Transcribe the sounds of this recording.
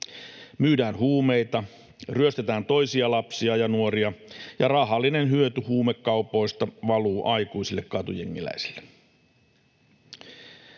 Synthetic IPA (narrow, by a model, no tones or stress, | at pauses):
myːdæːnhuːme̞jt̪ɑ | ryøst̪et̪æːnt̪o̞jsiɑlɑpsiɑjɑnuoɾiɑjɑrɑɦɑlːinenɦyøt̪yhuːmekːɑupo̞jst̪ɑʋɑluːʔɑjkuisilːekkɑt̪ujḛŋːilæ̰isi̥lːe